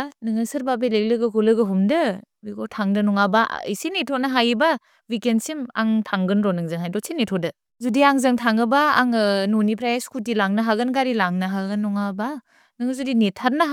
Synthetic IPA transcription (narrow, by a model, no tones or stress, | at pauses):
nɯŋɯsɯɾbabelek̚lɯɡɯkʰulɯɡɯɦumdɯbiɡɔtʰaŋdɯnɔŋaba̰ḭjsinetʰɔnaɦajba | wikensima̰ŋtʰaŋɡɯnɾɔnɯŋzɯŋɦajdɔsʰinetʰɔdɯ | zudiaŋzɯŋtʰaŋɯba̰ːŋnunipʰɾajaskʰutilaŋnaɦaɡɯnɡaɾilaŋnaɦaɡɯnːɔŋaba | nɯŋɯzudinetʰaɾ̚na